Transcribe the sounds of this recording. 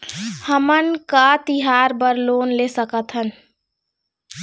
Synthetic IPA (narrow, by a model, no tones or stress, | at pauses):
həmənkat̪ɪɦaːɾbəɾloːnleːsəkət̪ɦən